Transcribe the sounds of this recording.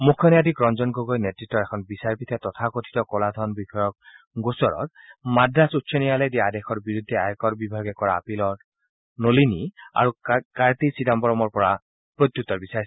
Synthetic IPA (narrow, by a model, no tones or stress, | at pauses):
mukʰːɔnɛjadikɹɔnzɔnɡoɡojnetɹitːɔɹɛkʰɔnbisaɹpitʰɛtɔtʰakotʰi̥tɔkɔlad̪ʱɔnbixɔjɔk̚ | ɡosɔɹɔ̰t̚ | madːasutːsʰɔnijalɛjdiaadɛxɔɹbiɹud̪ʱːɛajɔkɔɹbibʱajɡɛkɔɹaːpilɔɹ | nolinia̰ɹukaɹtisidambɔɹɔmɔɹpɔɹa | pɹot̪jutːɔɹbisaɹisɛ